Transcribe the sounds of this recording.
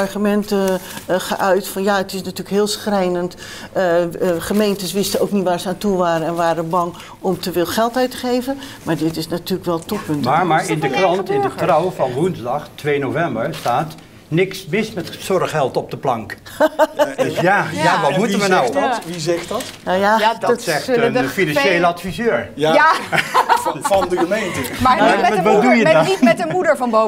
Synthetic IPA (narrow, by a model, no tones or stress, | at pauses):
ɑɹχymɛntəχə̰ʔœɥtfɔnjaətɪsnatyːlkɦɪːlˠsxrɛjnənt | əχəmejntəsʋɪstəowknitʋaːɹsəaːntuʋaːɾəɛnʋaːɾəbɑŋ | ɔmtəfɪːlˠχɛlˠtœɥtəχejvənmaːɹdɪtɪsnatyːləkʋɛlˠtɔpːɵntmaɹmaɹɪndəkrɑntɪndətrawfɑnʋunzdɑχtʋeːnovɛmbəɹstaːt | nɪksmɪsmɛtsɔrχhɛlˠtɔp̚dəplɑŋk | dsjajaʋɑtmutəʋənawʋizɛχtɑtnajadsɛχlənfinɑnejləɑtfizøːɹjja | ndəəmejntəmaʋɔdujədimɛtəmudəɹvɑnbo